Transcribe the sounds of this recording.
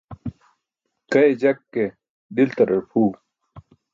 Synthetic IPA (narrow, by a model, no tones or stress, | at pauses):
kɐed͡ʑɐkːe | d̪ilt̪ɐɾepʰuːɡ